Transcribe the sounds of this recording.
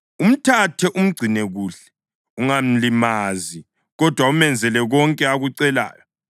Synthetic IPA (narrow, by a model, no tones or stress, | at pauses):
um̩tʰatʰɛʔum̩ɡ͡ǀʱinɛɣuːɬɛ̥ | uŋam̩limazi | ɣɔd̥ʱwaumɛnd͡zʱɛlɛɣɔŋkʼɛaɣuǀɛla̰ːjɔ